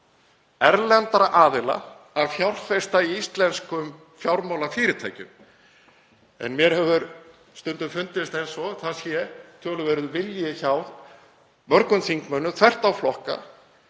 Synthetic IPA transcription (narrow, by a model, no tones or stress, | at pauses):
ɛɾlɛnt̪aɾaʔaːðɪla̰ | aðfjawr̥fest̪aiist̪lɛnskʏm | fjawɾmawlafɪːɾɪt̪ʰaːjcʏm | ɛ̰nmjɛɾ̥hɛvʏɾ | st̪ʏnt̪ʏmfʏnt̪ɪst̪ejnsɔɣθaðsjɛt̪ʰœːlʏvɛːɾʏðvɪljɪçawð | mœɾkʏnθiŋkmœnːʏθʰvɛr̥t̪awflɔhka̰